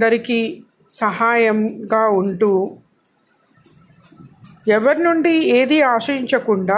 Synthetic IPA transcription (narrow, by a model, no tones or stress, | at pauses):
d̪ɐɾiki | sɐɦaːjɐmɡaːuɳʈuː | ɛʋɐɾinuɳɖieːd̪iaːʂɐɾiɲt͡ʃɐkuɳɖaː